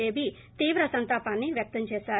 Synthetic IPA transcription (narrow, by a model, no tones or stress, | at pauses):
eːbi | t̪iːʋɾɐsɐnt̪aːpaːnːiʋjɐk̚t̪ɐmt͡ʃeːʃaː